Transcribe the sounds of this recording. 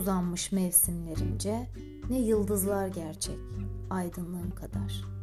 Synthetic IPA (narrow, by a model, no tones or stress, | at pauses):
zanmɯʃmɛvsimlʲe̞ɾind͡ʒɛ | nɛjɯlˠd̪ɯzlˠaɾɟæɾt͡ʃʰɛcajd̪ɯnlˠɯɯmkʰad̪aɾ̥